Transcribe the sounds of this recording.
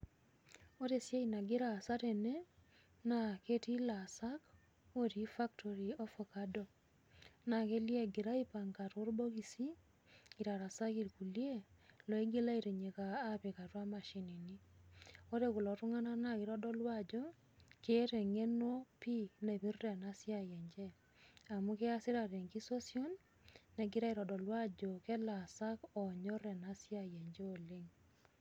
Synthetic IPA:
o˦ɾe˦˨sje˦ina˨ɡɪ˦ɾa˨sa˦ɾe˨ne˦ | na˨ke˦ti˦la˨sa˦k | o˦ɾi˨fa˦ktʰo˨ɾi˨o˦fo˨ka˦do˨ | na˨ke˦lje˦ɡi˨ɾa˦i˦pa˨ŋɡa˨tʊ˦rbo˦ki˨si˦ | i˨ɾa˨ɾa˨sa˦ki˨ɾku˨lje˦lo˨i˦ɡe˦la˦iɾe˨ɲe˨kaː˨˦pɪ˨ka˨twa˦ma˨ʃi˨ni˨ni˦o˦ɾe˦ku˨lɔ˨tʊ˦ŋa˦na˦na˦kɪ˨ɾɔ˦dɔ˦lwa˦˨d͡ʒɔ˦ | ke˦ɾɛ˨ŋe˦no˦pi˦ne˨bi˦rrɛ˨na˦sja˨jɛ˨ɲd͡ʒɛ˦ | a˨mu˦ke˦a˦sɪ˦ɾa˨ɾe˨ŋki˦so˦sjo˦nː | ɛ˨ɡɪ˦ɾa˦i˨ɾɔ˨dɔ˨lwa˦d͡ʒɔ˨kɛ˦la˨sa˦kɔ˨ɲɔ˦rɛ˨na˦sja˦jɛ˨ɲd͡ʒɛ˦o˨le˦ŋ

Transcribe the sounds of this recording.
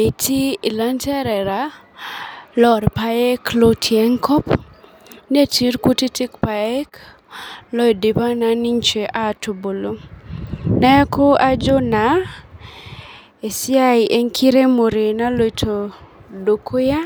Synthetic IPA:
e˨tʰi˦i˨la˦ntɛ˦ɾɛ˨ɾa˨ | lɔ˦˨ɾpa˨˦e˦klo˦tʰjɛ˦ŋkʰɔ˦p | n˦e˦ti˨ɾku˦ti˦tɪ˦kpa˨e˦k | lɔ˦jde˨pa˦na˨ni˦ɲt͡ʃe˨ʔa˦˨to˨bo˨lo˦ | na˦a˦ko˦a˦d͡ʒo˦na˨ | e˨sja˦i˨ʔe˦ŋkʰi˦ɾe˦mo˨ɾe˨na˦lo˦˨jtʰo˨ | do˨kʰo˦ja˦

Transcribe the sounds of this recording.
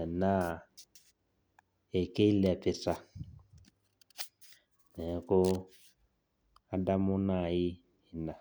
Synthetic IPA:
na˦˨ | e˨ke˦i˦lɛ˨a˨pe˨sa˨ | nɛ˨˦ko˦ | a˨da˦mu˦na˨i˦ | i˨na˨

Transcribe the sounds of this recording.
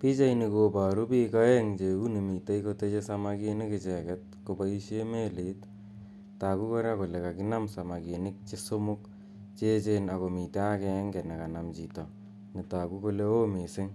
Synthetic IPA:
pi˦t͡ʃa˦jni˧kopa˨ɾu˦pi˦ka˦eŋt͡ʃe˨u˦ni˨mi˨ta˦jkote˦t͡ʃe˦samakinɪ˦kɪt͡ʃɛ˨kɛt̚kobai˦ʃeme˦lit | ta˨ku˦ko˦ɾa˦ko˨le˨ka˨kɪna˦msa˨ma˨ke˨nɪ˦k̚t͡ʃesomuk | t͡ʃe˦t͡ʃena˨ko˨mite˦a˦keŋɡɛ˨na˨ka˨namt͡ʃitɔ | ni˨ta˨ku˦ko˦leo˦mi˨sɪ˦ŋ

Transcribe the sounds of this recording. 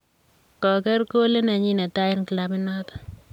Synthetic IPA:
kɔ˨kɛ˦ɾko˦le˦na˨ɲi˦na˨ta˦ɪ˦nkla˨mɪ˦nɔ˦t̪

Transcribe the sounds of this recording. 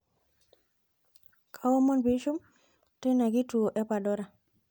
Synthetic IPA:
kʰa˦wo˦mo˦nbi˦ʃu˦m | tɛ˦na˨ɡi˦tu˨o˨ʔɛ˦pa˨dɔ˦ɾa˨

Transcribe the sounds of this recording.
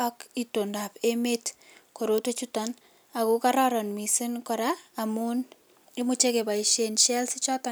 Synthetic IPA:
ɔ˦kito˨nda˨pe˦me˦t | ko˨ɾo˦to˦t͡ʃu˦tan | a˨ku˦kaɾɔ˦ɾɔ˨nmi˨si˦nkɔɾaː˨mu˦n | ɪmu˦t͡ʃe˦ke˨ba˨iʃe˨nʃɛ˦lsɪ˦t͡ʃɔ˦ta˨

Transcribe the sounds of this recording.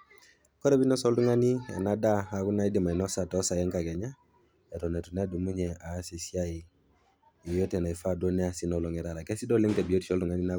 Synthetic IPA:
kɔ˦ɾɛ˦bi˦nɔ˦sɔ˦ldu˦ŋa˦ni˦ɛ̰˨na˦da˦a˨ɡu˦na˦i˦di˨ma˨i˨nɔ˦sa˨tɔ˦sa˨jɛ˦ŋka˨ɡɛ˨ɲa˦ | ɛ˨tɔ˨nɛ˨tu˨nɛ˦a˦du˨mu˦ɲɛ˨a˨˦si˨si˦a˦i˨ | i˨jo˦tɛ˨na˨i˨fa˦do˦nɛ˦a˨si˦nɔ˨lɔ˨ŋɛ˨ɾa˨ɾa˨kɛ˦si˦dɔ˦li˦ŋtɛ˨bi˨o˦ti̥˨t͡ʃɔ˦ldu˨ŋa˦ni˦na˦

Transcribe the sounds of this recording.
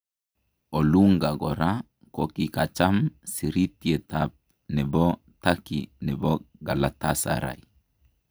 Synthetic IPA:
o˨luŋɡa˨ɡɔ˨ɾa | kɔ˨ki˨ka˨t͡ʃa˦msi˨ɾi˦tje˨tap̚ | nɛ˨bɔ˦ | takḭnɛ˨bɔ˦ɡa˨la˨tasa̰ɾa̰˨j

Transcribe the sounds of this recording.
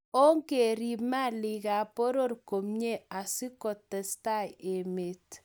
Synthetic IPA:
o˦ŋke˨ɾi˨pma˦˨li˨ka˨po˦ɾo˦rko˨mɲe˦˨a˨sɪ˦kɔ˨tːɛ˨sta˦˨je˨me˨t

